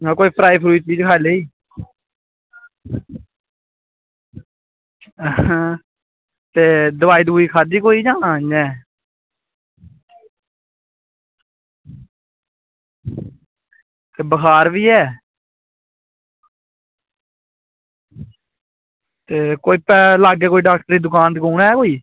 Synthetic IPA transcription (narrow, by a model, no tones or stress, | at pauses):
koːiːpʰɾaːiːpʰɾuːit͡ʃt͡ʃiːd͡ʒkʰaːleːiː | t̪eːd̪ʊʋaːiːd̪uːiːkʰaːd̪iːkoːiːd͡ʒãːad͡ʒɛ̃ː | t̪eːbəkʰaːɾʋiːɛː | t̪eːkoːiːpɛːlaːɡɛːkoːiɖaːk̚ʈəɾiːd̪ʊkaːnt̪kuːɽɛːkoːiː